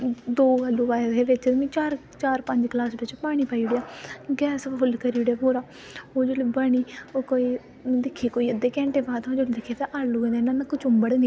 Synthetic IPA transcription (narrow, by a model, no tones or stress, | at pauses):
d̪oːaluːbaːd̪eːʋɪt͡ʃ̪mĩːt͡ʃaːɾ | t͡ʃaːɾpəɲd͡ʒklaːsbɪt͡ʃpaːɽ̃iːpaːiɽejaːɡɛːspʊlkəɾiːʊɽjaːpoːɾaː | oːd͡ʒolebaːɽ̃iːokoːiː | d̪ɪkʰːiːkoːiːəd̪eːkɛ̃ːɳʈeːpãːt̪ʰãoːd͡ʒoled̪ɪkʰːeːt̪ãʔalluːɡeːnenãːnãːkʊt͡ʃʊmbəɽnː